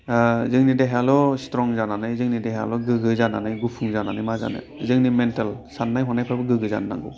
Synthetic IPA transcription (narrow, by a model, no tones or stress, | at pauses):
zɯŋnideɦejalɔstɾɔŋzananajzɯŋnideɦja̰lɔɡɯɡɯzananajɡupʰuŋzananajmaza̰nɯ̰ | zɯŋnimentalsanːajɦɔnajpʰɾabɯɡɯɡɯza̰nːa̰ŋɡɯ̰w